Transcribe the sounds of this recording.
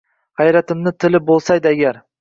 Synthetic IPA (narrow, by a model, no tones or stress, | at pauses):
hɑjɾat̪ɪmnɪt̪ʰɪlɪbolˠsajd̪ɪaɡʲaɾ